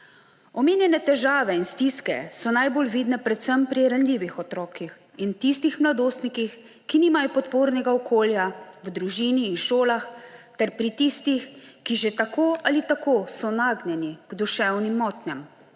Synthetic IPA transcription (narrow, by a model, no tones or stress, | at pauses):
ɔmeːnjɛnɛt̪ɛʒaːʋɛinst̪iskɛ̰sɔnajbolʋiːd̪nɛpɾɛt̪səmpɾiɾanlʲiːʋixɔt̪ɾɔːkix | int̪ist̪ixmlad̪oːst̪nikix | kiniːmajɔpɔt̪poːɾnɛɡaɔkʰoːljawd̪ɾuʒiːniːnʃoːlaxt̪ɛɾpɾit̪ist̪ixkiʒet̪akoːʔalit̪akoːsɔnaːɡnʲɛniɡ̥d̪uʃɛwnimːɔːt̪nʲɛm